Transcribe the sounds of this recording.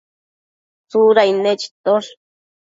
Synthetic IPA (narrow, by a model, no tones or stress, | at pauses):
t͡suɾainẽt͡ʃi̥t̪oʂ